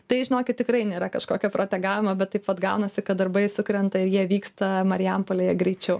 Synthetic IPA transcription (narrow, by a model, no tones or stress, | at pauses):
t̪ɐɪʒʲɪnoːkʲɪt̚tʲɪkɾɐɪnʲeːɾɐkɐʃkoːkʲɛpɾoːt̪ʲɛɡɑːʋʲɪmɐbʲɛt̪t̪ːɐɪpʋɐt̪ɡɐʊnɐsʲɪkɐtd̪ɐɾbɐɪsʊkɾʲɛnt̪ɐɪɾjiɛʋʲiːkst̪ɐmɐɾʲɪɛmpoːlʲejɛɡɾʲɛɪt͡ʃʲɛʊ